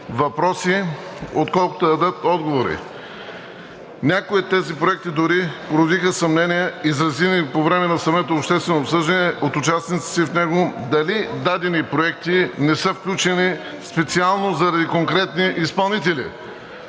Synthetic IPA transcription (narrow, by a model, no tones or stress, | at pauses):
vɐpɾɔsiot̪kɔlˠko̥t̪od̪ɐd̪ət̪ɔd̪ɡovoɾḭ | nʲakoit̪ːɛzipɾoɛk̚t̪id̪ʊɾipoɾod̪ixəsɐmnɛnʲijɛizɾɐzinipovɾɛmɛnɐsɐmɛt̪oopʃt̪ɛst̪vɛnoːpsɤʒd̪ɐnɛʔot̪ʊt͡ʃasnit̪si̥sifnɛɡod̪ɐlid̪ad̪ɛnipɾoɛk̚t̪inɛsɤfklʲut͡ʃɛni | spɛt̪sialˠnozɐɾɐd̪ikoŋkɾɛt̪niʔispɐlˠnit̪ɛlḭ